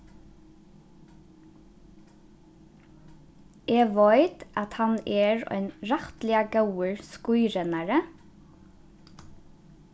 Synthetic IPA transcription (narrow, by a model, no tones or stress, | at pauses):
ʔeːʋœɪt̪ʔɑt̪hɑneːɹœ̰ɪnɹɑht̪lɪɑɡɑwəɹskʊʏɾɛnɑɹə